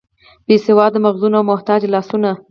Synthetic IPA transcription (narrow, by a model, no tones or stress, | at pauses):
b̥esɪwɑd̪ːəmaɣzunoawmʊht̪ɑd͡ʒlɑsuna